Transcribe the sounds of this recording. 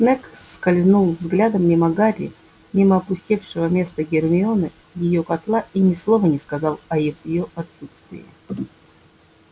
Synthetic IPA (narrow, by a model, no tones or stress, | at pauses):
snɛkskɐlʲznulˠvzɡlʲad̪əmnʲɪmɐɡaɾʲɪ̰ | nʲɪməɐpʊsʲtʲifʂɨvəmʲe̞st̪əɡʲɪrmʲɪonə | jɪjokɐt̪lˠaʔinʲɪslˠovənʲɪskɐzɑlˠɐjivɪjoʔɐt̪sut̪st̪vʲɪ̰jɪ̰